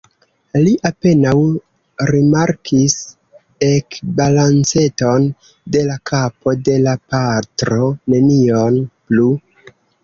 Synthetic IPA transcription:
liʔape̞naw | ɾimaɾkʰis | e̞kbalant͡se̞to̞n | de̞lakʰapo̞de̞lapatɾo̞ne̞nio̞nplu

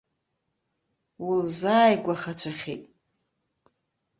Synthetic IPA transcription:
wʊlzaːjɡʷaχat͡ʃʷʰaχʲḭtʼ

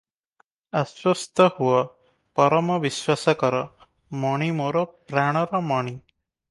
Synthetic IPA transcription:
aswɔst̪ʰɔhuɔ | pɔɾɔmɔʋiswasakɔɾɔ | mɔɽ̃imoɾɔpɾaɽ̃ɔɾɔmɔɽ̃i

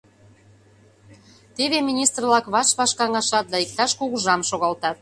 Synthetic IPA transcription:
t̪eβemʲinʲist̪rlɑkβɑʃβɑʃkɑŋɑʃɑt̪̚d̪ɑik̚t̪ɑʃkuɣuʒɑmʃoɣɑlt̪ɑt̪̚

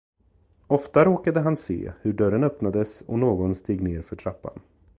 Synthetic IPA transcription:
ɔft̪aɾoːkad̪əɦansḛːhɵɖœɾənœpnad̪əsɔ̰noːɡɔnst̪eːɡneːɾfœʈʰɾapːa̰n

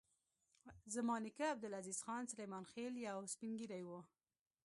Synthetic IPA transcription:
zamɑːnɪkaːb̚d̪ɪlaziz̥xɑːnsalajmɑːnxeljawspiŋɡiɾajwo

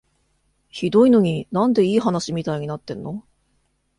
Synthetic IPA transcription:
çid̪o̞ino̞ɲ̟inãnd̪e̞iːɦanaɕimʲit̪aiɲ̟inat̪ːẽ̞nːo̞

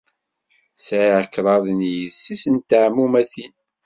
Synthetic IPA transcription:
sʕiʕəkːɾˤɑðˤnjəsːisənt̪əʕmːumæθin

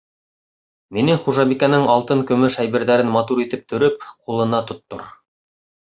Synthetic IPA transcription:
minɘŋχuʒɑβikænɘŋɑlˠt̪ɤŋkɵ̆mɵʃæjbɘ̆ɾðæɾɘnmɑt̪uɾit̪ɘp̚t̪ʰɵ̆ɾɵp̚qulˠɤ̆nɑt̪ŏt̪ːo̰ɾ

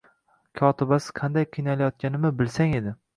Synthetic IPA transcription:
kʰɒt̪ʰɪbasɪ̥qʰɑnd̪ajqʰɨjnalajɒt̪̚kʲanɪmɪbɪlsaŋe̞d̪ɪ

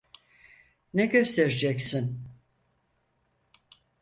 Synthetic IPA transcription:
nɛɟø̞st̪ʰeɾed͡ʒɛksin

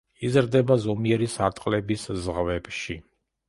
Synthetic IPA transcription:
izɾd̪ɛbazɔmiɛɾisaɾt̪ʼqʼlɛbiszʁvɛbʃi

